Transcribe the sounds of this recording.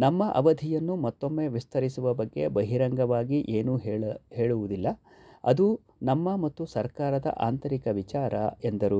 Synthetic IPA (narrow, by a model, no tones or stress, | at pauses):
nɐmːɐʔɐ̰ʋɐd̪ʱijɐnːumɐt̪ːo̞mːe̞ːʋist̪ʰɐɾisuʋɐbɐɡːe̞̰bɐɦiɾɐŋɡɐʋaːɡiʔeːnuɦhe̞ːɭuʋud̪ilːɐ | ɐ̰d̪u | nɐmːɐmɐt̪ːusɐɾkaːɾɐd̪ɐ̰ʔa̰ːnt̪ɐɾikɐʋit͡ʃaːɾɐ̰end̪ɐɾu